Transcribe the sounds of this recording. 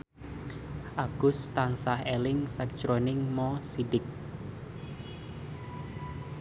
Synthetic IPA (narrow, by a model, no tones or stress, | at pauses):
ʔaɡ̥ʊst̪aŋsahelɪŋsɛk̚t͡ʃɾonɪŋmɔsidɪk̚